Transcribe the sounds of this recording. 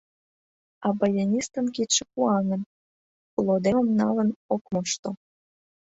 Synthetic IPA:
ɑbɑjenʲist̪əmkit̪ʃekuɑnən | kulod̪eməmnɑlənokmoʃt̪o

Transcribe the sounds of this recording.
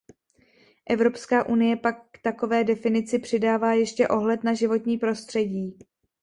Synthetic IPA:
ʔɛvɾo̞pskaːʔunɪjɛpakːt̪ako̞vɛːdɛfɪnɪt͡sɪpr̥ɪdaːvaːjɛʃcɛʔo̞ɦlɛt̪naʒɪvo̞t̪ɲiːpɾo̞st̪r̥ɛɟiː

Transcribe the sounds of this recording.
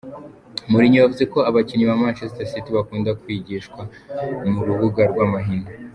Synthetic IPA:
muɾiɲiβavuze̞ko̞aβaciɲiβamat͡ʃestasitiβakuːndakwiɟiʃkwa | muɾuβuɡaɾɡwamaɦinda

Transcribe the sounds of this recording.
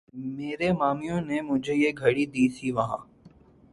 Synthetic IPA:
meːɾemaːmijõnemʊd͡ʒʱejeɡʱɐɽid̪iːsʰiʋɐɦã̰ː

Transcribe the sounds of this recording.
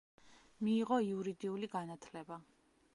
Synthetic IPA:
miːʁɔiuɾid̪iuliɡanat̪ʰlɛba

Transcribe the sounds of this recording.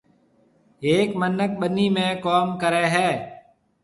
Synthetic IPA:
ɦeːkmənək̚ɓəniːmẽːkoːmkəɾeːɦɛː

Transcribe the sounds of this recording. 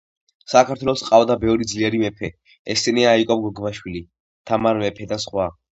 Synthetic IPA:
sakʰaɾt̪ʰwɛlˠɔsqʼavd̪abɛvɾid̪zliɛɾimɛpʰɛ | ɛsɛniaːikʼɔpɡɔɡbaʃwili | t̪ʰamaɾmɛpʰɛd̪asχwa

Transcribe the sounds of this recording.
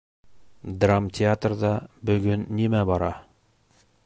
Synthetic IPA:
d̪ramtʲɪat̪rðɑbɵ̆ɡɵnːimæbɑɾɑ

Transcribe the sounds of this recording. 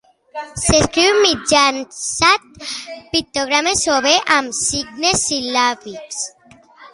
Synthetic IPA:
seskɾiwmid͡ʒansat̪̚pit̪oɣɾamesoβeʔamsiɡnesilafiks

